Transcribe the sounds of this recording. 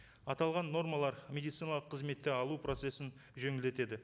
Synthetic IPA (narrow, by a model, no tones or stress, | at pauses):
ɑt̪ɑlˠʁɑnːo̞rmɑlˠɑɾmʲe̞d̪ijt̪sijnɑlˠəqʰːəzme̞t̪ːɪɑlˠupro̞t̪se̞sɪn | ʒeŋɪld̪e̞t̪e̞d̪ɪ